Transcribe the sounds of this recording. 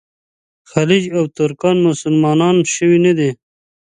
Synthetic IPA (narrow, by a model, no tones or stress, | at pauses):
xalid͡ʒawt̪ʊɾkɑnmʊsʊlmɑːnɑːnʃəwinad̪i